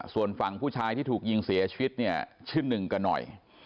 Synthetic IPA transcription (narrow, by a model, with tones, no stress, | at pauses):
su˨˩ənfa˨˩ŋpʰuː˥˩t͡ɕʰaː˧jt̪ʰiː˥˩t̪ʰuː˨˩k̚ji˧ŋsi˨˩˦ɐ˦t͡ɕʰi˧wi˦˥t̪̚ni˥˩ɐt͡ɕʰɯ˥˩nːɯ˨˩ŋka˧nːɔ̰˨˩j